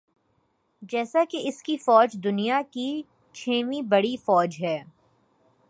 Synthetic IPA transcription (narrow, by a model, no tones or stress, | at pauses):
d͡ʒɛːsakeɪskifɔːd͡ʒd̪ʊnijaki | t͡ʃʰeːʋibɐɽifɔːd͡ʒɦɛː